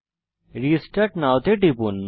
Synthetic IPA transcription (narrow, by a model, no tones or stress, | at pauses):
ɾisʈɐʈnawt̪eʈipunː